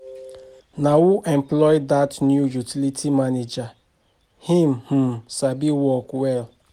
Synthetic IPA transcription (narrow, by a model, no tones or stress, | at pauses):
nawuʔɛ̃mplɔjdatnjujutʰilitʰimaned͡ʒa | hĩmh̩sabiwɔkwɛl